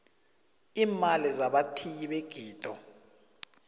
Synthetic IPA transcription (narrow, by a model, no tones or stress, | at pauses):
iːmalizaɓatʰijiɓeɡ̥ʱiːd̥ʼʱɔ